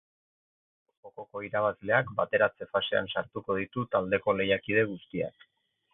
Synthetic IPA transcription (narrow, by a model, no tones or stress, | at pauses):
oko̞ko̞iɾaβ̞azle̞akbat̪e̞ɾat͡se̞fase̞a̰nsaɾt̪uko̞ð̞it̪ut̪ald̪e̞ko̞le̞jakið̞e̞ɣust̪ia̰k